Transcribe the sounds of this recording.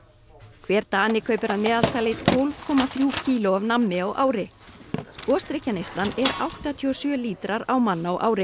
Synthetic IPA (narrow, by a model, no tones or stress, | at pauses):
kʰvɛːɾ̥t̪aːnɪkʰœːɥpʏɾaðmɛːðal̥t̪ʰaːlɪt̪ʰowlv̥kʰɔːmaθɾjuːcʰiːlʊavnamːɪɔɣʔa̰ːwɾɪ | kɔːst̪ɾɪhcːanejst̪lanɛɾa̰wht̪at̪ʰiɔsjœːliːt̪ɾaɾawmanːaɔʔa̰ːwɾɪ